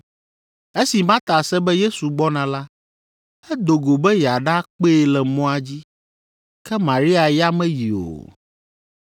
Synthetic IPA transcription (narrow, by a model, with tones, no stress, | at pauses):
e˦si˨mã˦t̪a˨sɛ˦bɛ˦je˦su˨ɡ͡bɔ˦nã˨la˦ | ɛ˦d̪o˨ɡo˨bɛ˦jɛ˨a˨ɖa˦k͡pe˦e˨lɛ˨mɔ̃˦a˨d͡ʑi˦ | kɛ˦mã˨ɾi˦a˨ja˦mɛ̃˦ji˨o̰˨